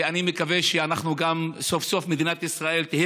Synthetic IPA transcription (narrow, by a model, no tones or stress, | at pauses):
animekaveʃeanaχnuɡamso̞fso̞fmed̪inat̪isʁae̞lt̪ihi